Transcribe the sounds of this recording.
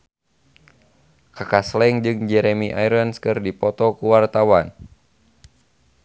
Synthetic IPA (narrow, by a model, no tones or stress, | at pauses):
kakaslɛŋd͡ʒɨŋd͡ʒɛɾɛmiʔajɾənskɨrdipɔt̪ɔkuwart̪awan